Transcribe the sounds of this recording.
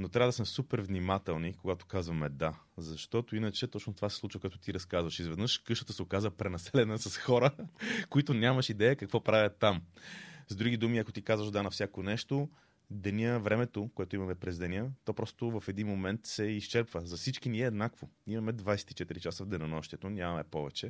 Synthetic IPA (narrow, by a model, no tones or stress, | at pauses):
not̪ɾʲavəd̪ɐsmɛsupɛɾvnimat̪ɛlˠnikoɡat̪o̥kazvɐmɛd̪a | zɐʃt̪ɔt̪oinət͡ʃɛt̪ɔt͡ʃnot̪ovasɛslˠut͡ʃvəkoɛt̪ʊt̪iɾɐskazvɐʃizvɛd̪nɤʃkɤʃt̪ə̥t̪əsɛokazvəpɾɛnɐsɛlɛnəsɐsxɔɾəkoit̪onʲamɐʃid̪ɛjəkɐkvɔpɾavʲət̪ːamzd̪ɾuɡ̟id̪umiɐkot̪ikazvəʃd̪anɐfsʲjakonɛʃt̪o | d̪ɛnʲiəvɾɛmɛt̪okoɛt̪ʊimɐmɛpɾɛzd̪ɛnʲət̪ɔpɾɔst̪ovɐfɛd̪inmomɛnt̪sɛiʃt͡ʃɛɾpvəzɐfsit͡ʃkiniɛːd̪nakvoimɐmɛd̪vajsɛ̥t̪i̥t͡ʃɛt̪iɾit͡ʃasəvd̪ɛnɐnɔʃt̪ʲiɛt̪onʲammɛpɔvɛt͡ʃɛ